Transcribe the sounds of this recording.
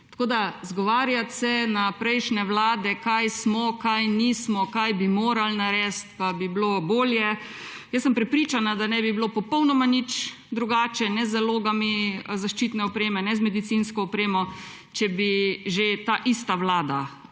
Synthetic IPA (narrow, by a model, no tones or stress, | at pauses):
t̪ḁkoːd̪azɡɔʋaːɾjat̪sɛnapɾɛjʃnɛʋlaːd̪ɛkajsmɔkajnismɔkajbimoːɾalnaɾɛːst̪pabibloboːljɛ | jəsːəmpɾɛpɾit͡ʃanad̪anɛbiblopɔpɔwnɔmanit͡ʃ | d̪ɾuɡaːt͡ʃɛnɛzəloːɡamizaʃt͡ʃit̪nɛɔpɾeːmɛnɛzmɛd̪it̪sinskɔːpɾeːmɔ | t͡ʃɛbiʒet̪aːʔist̪aʋlaːd̪a